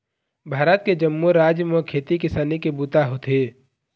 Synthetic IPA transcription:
bʱaːɾət̪̚ked͡ʒəmːuɾaːd͡ʒmekʰeːt̪ikɪsaːnikebuːt̪aɦot̪ʰeː

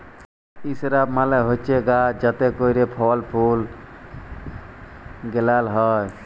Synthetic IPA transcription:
isɾabmaleɦot͡ʃeɡad͡ʒət̪ekoiɾepʰɔlpʰul | ɡelalɦɔj

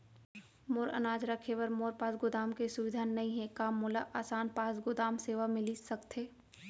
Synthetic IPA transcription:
moːɾə̰naːd͡ʒɾɐkʰeʋəɾmoːɾpaːsɡʊd̪aːmkesʊʋɪd̪ʱaːnnːɐɦĩɦɛ̃kaːmːʊːlaʔaːsaːnpaːsɡʊd̪aːmseːʋamɪlisɐkt̪ɦeː

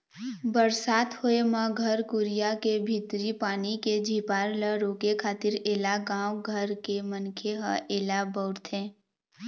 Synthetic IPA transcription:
bəɾsaːt̪hoemãɡʱəɾkʊɾijakebʱɪt̪ɾipaːniked͡ʒʱiːpaːɾləɾoːkekʰaːt̪ɪɾeːlaɡãːwɡʱəɾkemənkʰeɦəʔeːlabəʊɾt̪ʰẽː

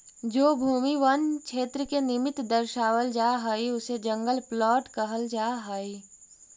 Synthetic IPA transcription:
d͡ʒoːbʱuːmiʋənt͡ʃʰeːt̪ɾəkenɪmɪt̪d̪əɾʃaːwəld͡ʒaːɦəiʊsed͡ʒɐ̃ŋɡəlplɔːʈkəɦəld͡ʒaːɦəi

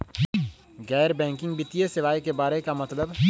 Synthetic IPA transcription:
ɡɛːɾbɛ̃ːŋkɪ̃ŋɡbɪt̪ijesɪʋaːikebaːɾekamɐt̪ləb

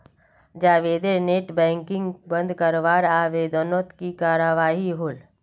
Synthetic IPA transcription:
d͡ʒaːʋeːd̪eneːʈbɛ̃ːŋkɪ̃ŋɡbə̃nd̪ʱkəɾʋaːɾaːʋeːd̪ənot̪kikaːɾəʋaːɦiɦoːl

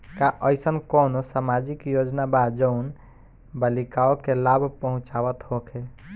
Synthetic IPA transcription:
kaʔəjsənkonosamad͡ʒikjod͡ʒnabad͡ʒəun | bəlikaokelabʱpəɦũt͡ʃabət̪hokʰe

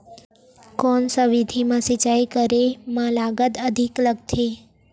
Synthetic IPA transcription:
kɔnsəʋid̪ʱimãsit͡ʃajkəɾemãlaɡəd̪əd̪ʱikləɡt̪ʰe

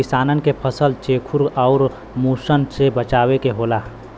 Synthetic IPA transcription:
ɪsaːnənkepʰəsəlt͡ʃeːkʰuɾɔʊɾ | muːsənsebət͡ʃaːwekeɦoːlaː

